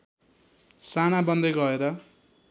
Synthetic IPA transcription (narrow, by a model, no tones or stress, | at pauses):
sanabʌnd̪eɡʌeɾʌ